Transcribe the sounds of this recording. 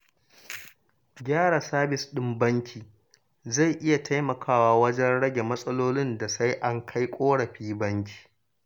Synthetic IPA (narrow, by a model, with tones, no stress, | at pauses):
ɡʲaː˦ɽa˨saː˦bɪ˨sɗɪ˦mbɐ˦ŋkʲʰiː˨ | za˦˨jʔɪ˦ja˨tʰa˦jmɐ˨kʰaː˦waː˦˨wɐ˦d͡ʒɛ˦nɽɐ˦ɡʲe˨mɐ˦sʼɐ˦loː˦lɪ˦nda˨sa˦jʔa˦ŋkʰa˦jkʷʼoː˦ɽɐ˨ɸiː˦bɐ˦ŋkʲi̥ː˨